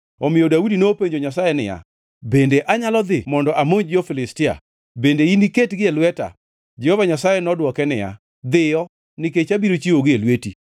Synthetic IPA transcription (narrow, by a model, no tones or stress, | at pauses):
ɔmɪjodaudinoːpeɲd͡ʒoɲas̬ajenɪja̰ | bendeʔaɲalɔd̪ɪmɔndɔʔamoɲd͡ʒofɪlɪstɪa̰ | bendeiniketɡɪelwɛta̰ | d͡ʒɛhovaɲasajɛnɔdwɔkɛnɪ̰ja̰ | d̪ɪjɔ | nɪket͡ʃabiɾot͡ʃioɡɪelweti